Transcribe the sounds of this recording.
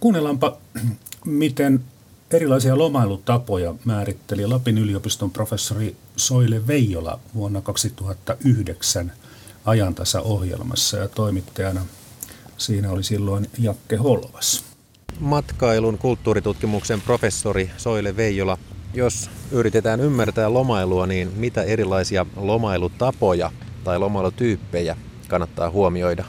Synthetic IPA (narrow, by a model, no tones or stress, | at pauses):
kuːnːelɑmpɑ | mit̪en | erilɑisiɑlomɑilut̪ɑpojɑmæːrit̪ːelilɑpinyliopist̪omprofesːorisoileʋeijːolɑ̰ʋuonːɑkɑksit̪uhɑt̪ːɑʔyhdeksæn | ɑjɑnt̪ɑsɑ̰ʔohjḛlmɑ̰sːɑjɑt̪oimit̪ːɑjɑnɑ | siːnæolisilːoinjɑkːeholʋɑs | mɑt̪kɑiluŋkult̪ːuːɾit̪ut̪kimuksempro̞fe̞sːoɾiso̞ileʋejːolɑjosyɾit̪et̪æːnymːært̪æːlo̞mɑiluɑniːnmit̪æeɾilːˑɑisiɑlo̞mɑilut̪ɑpo̞jɑt̪ɑilo̞mɑilut̪yːpːejæ | kɑnːɑt̪ːɑ̰ːhuomio̞jdɑ